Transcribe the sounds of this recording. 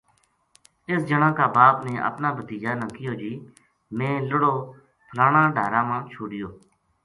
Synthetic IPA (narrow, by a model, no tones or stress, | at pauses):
ɪsd͡ʒəɳãːkaːbaːpnẽːʔə̰pnãːbət̪iːd͡ʒaːnãːkɪjoːd͡ʒiː | mẽːləɽoː | pʰəlaːɳãːɖʱaːɾãːmãːt͡ʃʰoːɽɪjoː